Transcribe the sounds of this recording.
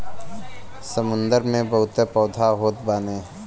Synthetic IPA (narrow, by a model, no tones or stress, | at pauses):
səmʊ̃nd̪əɾmẽbəɦʊt̪epɔːd̪ʱaɦoːt̪baːneː